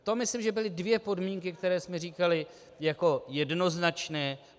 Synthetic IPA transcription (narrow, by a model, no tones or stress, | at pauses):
t̪o̞mɪslimʒɛbɪlɪdvjɛpo̞dmiːŋkɪkt̪ɛɾɛːsmɛriːkalɪ | jako̞jɛdno̞znat͡ʃnɛː